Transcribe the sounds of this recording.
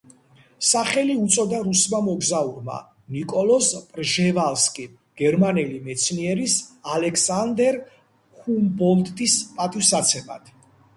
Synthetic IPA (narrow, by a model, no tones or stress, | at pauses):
saχɛliut̪sʼɔd̪aɾusmamɔɡzauɾma̰ | nikʼɔlɔspʼɾʒɛvalskʼi | ɡ̥ɛɾmanɛlimɛt̪sʰniɛɾisalɛkʰsand̪ɛɾ | humbɔld̪ʼispʼat̪ʼivsat̪sʰɛma̰d̪̥ʰ